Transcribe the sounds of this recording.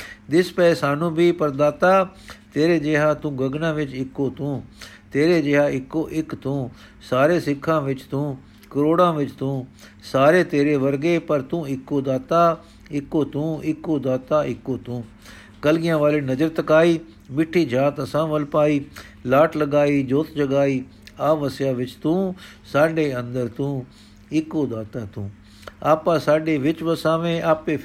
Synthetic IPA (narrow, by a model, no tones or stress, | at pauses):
d̪ɪspɛɛːsaːnũːbiːpəɾd̪aːt̪aːt̪eːɾeːd͡ʒeːɦãːt̪ũːɡəɡnãːʋɪt͡ʃɪkːoːt̪ũː | t̪eːɾeːd͡ʒeːɦaːɪkːoːʔɪkt̪ũː | saːɾeːsɪkʰːãːʋɪt͡ʃt̪ũː | kəɾoːɽãːʋɪt͡ʃt̪ũː | saːɾeːt̪eːɾeːʋəɾɡeːpəɾt̪ũːɪkːoːd̪aːt̪aː | ɪkːoːt̪ũːɪkːoːd̪aːt̪aːɪkːoːt̪ũː | kɐlɡɪjãːʋaːleːnɐd͡ʒəɾt̪ɐkaːiː | mɪʈʰːiːd͡ʒʱaːt̪ɐsãːʋɐlpaːiː | laːʈʰlɐɡaːiːd͡ʒoːt̪d͡ʒɐɡaːiː | aːʋəsjãːʋɪt͡ʃt̪ũː | saːɖeːɐ̃nd̪əɾt̪ũː | ɪkoːd̪aːt̪aːt̪ũː | aːpãːsaːɖeːʋɪt͡ʃʋəsãːʋẽʔaːpe